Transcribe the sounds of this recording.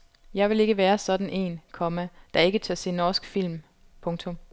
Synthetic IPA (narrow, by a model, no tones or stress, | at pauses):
jɑ̈ɪʋe̝le̝ɡ̥əʋæːɐsɒ̽d̥n̩ʔe̝̰ːnkʰɒ̽mæd̥ɑ̈e̝ɡ̥ət͡sʰɒse̝̰ːnɒːsɡ̥fil̰m | pʰɔ̽ŋt͡sʰɔ̽m